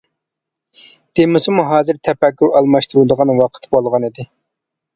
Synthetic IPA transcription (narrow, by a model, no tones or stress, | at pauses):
d̪̥emɪsɪmuɦɑːzɨɾt̪ʰɛpɛkʲːuɾɑlˠmɑʃt̪uɾud̪əʁɑnwɑqʰə̥t̪ʰbolˠʁɑnid̪ɪ